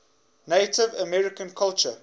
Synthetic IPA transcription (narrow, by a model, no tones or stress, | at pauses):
neɪtɪvəmɛɹɪkə̃nkʰalˠt͡ʃə